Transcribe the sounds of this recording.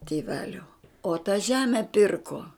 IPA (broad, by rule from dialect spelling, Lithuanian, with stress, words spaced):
tʲeːˈʋʲæːlʲoː oː tɐ ˈʒʲæːmʲɛ ˈpʲɪrkoː